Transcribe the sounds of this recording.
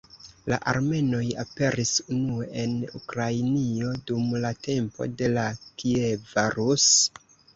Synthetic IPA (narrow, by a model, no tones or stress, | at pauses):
la̰ʔaɾme̞no̞jape̞ɾisunue̞ʔe̞nukɾajnio̞dumlate̞mpo̞̰de̞lakievaɾus